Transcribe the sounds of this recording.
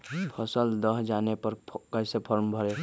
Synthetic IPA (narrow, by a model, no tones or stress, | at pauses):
pʰəsəld̪əɦd͡ʒanepəɾkəɪsepʰəɾmbʱəɾe